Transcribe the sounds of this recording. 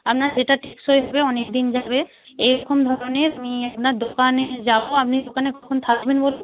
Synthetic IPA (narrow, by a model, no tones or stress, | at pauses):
apnad͡ʒeʈaʈʰiksojɦɔbeɔnek̚d̪ind͡ʑabe | ejɾɔkomd̪ʱɔɾoneamiapnaɾd̪okaned͡ʑaboap̚nid̪okaneɡɔkʰont̪ʰakbenbol